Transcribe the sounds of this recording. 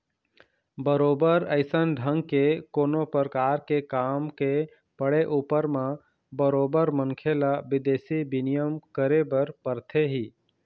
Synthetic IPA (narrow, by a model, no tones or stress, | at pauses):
bəɾoːbəɾəɪsənɖʱə̃ŋɡ̚kekoːnopəɾəkaːɾkekaːmke | pəɽeʔuːpəɾmã | bəɾoːbəɾməŋkʰelabɪd̪eːsibɪnijəmkəɾebəɾpəɾt̪ʰeɦiː